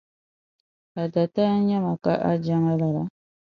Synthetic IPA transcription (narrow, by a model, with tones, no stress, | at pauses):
a˨da˨ta˦ɲɛ˦ma˨ka˦ʔa˦d͡ʒa˦ŋa˦la˨la˨